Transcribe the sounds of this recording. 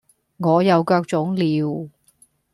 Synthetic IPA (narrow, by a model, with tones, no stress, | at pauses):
ŋɔː˨˧jɐ˨˧wkœː˧k̚t͡sʊ˨˥ŋliː˨w